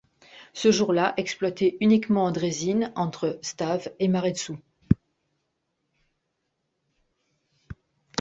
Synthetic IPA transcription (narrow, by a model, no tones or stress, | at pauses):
səʒuʁlaʔɛksplwat̪eynikmɑ̃d̪ʁezinɑ̃t̪χəst̪avemaʁed̪su